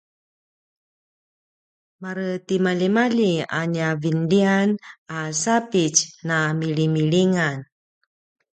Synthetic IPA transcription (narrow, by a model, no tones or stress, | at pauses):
maɾətimalimalia̰ɲavindianasapit͡ʃnamilimiliŋan